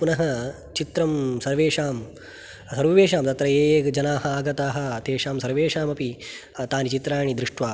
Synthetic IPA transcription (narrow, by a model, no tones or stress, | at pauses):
punɐɦɐ̆ | t͡ʃit̪ɾɐmsɐɾʋeːʂaːm | sɐɾʋɐʋeːʃaːmt̪ɐt̪ɾɐeːɡd͡ʒɐnaːɦɐaːɡɐt̪aːɦɐ̆t̪eːʃaːmsɐɾʋeːʂaːmɐpi | t̪aːnit͡ʃit̪ɾaːɳid̪ɾɪʂʈʋaː